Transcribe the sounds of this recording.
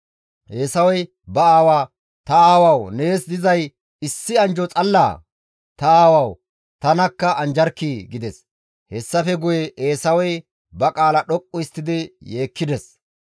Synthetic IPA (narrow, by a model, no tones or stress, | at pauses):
ʔe̞ːsɐwɔj | bɐaːwaː | t̪ɐaːwɐwne̞ːsd̪ɪzɐj | ɪsːɪɐnd͡ʒɔt͡sʼɐlːa̰ː | t̪ɐaːwɐw | t̪ɐnɐkːɐʔɐnd͡ʒɐɾkːiːɡɪd̪ɛs | hɛsːɐfɛɡʊjɛʔeːsɐwɔj | bɐkʼaːlɐɗɔkʼːʊɪst̪ːɪd̪ɪje̞ːkːɪd̪ɛs